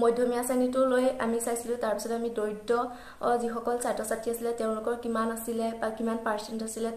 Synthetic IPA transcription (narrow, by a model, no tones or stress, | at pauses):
mɔjdʱjɔmijasanitʊloja̰misajsilʊ̃taɹpi̥sɔtamidojtːɔ | zixɔkɔlsatɔsatʰiasilɛteʊ̃lʊkɔɹkimanasilɛakimanpaɹsentasilɛ